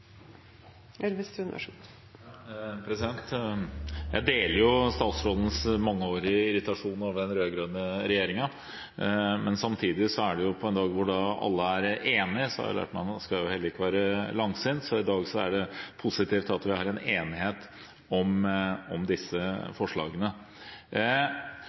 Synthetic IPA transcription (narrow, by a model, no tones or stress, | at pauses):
ɛɾʋɪst̪ʉnɪʋæ̰ʂ | pʰɾɛsɪd̪ɛnt̪ | jæ̰ɪd̪eːləɾjʊst̪ɑːt̪sɾoːd̪ənəsmɑŋːəoːɾɪəɪɾɪt̪ɑʂuːnoːʋəɖɛnɾøːɡɾøːd̪nəɾɛjeːɾɪŋɑ | mɛnsɑmt̪ʰiːd̪ɪsɔæɖɛjʊpʰɔɛnd̪ɑːɡʋʊɖɑɑ̰lːəæɾeːnɪsɔhɑ̰j̰læ̰ːʈmɛskɑjʊhɛlːəɾɪkːəʋæːɾəlɑŋsɪnt̪sɔɪd̪ɑːɡsɔæ̰ɖɛpʰʊsɪt̪ʰiːft̪ɑt̪ʋɪhɑːɾɛneːnɪheːt̪ | ɔmɔmd̪ɪsːəfɔʂɭɑ̰ːɡənə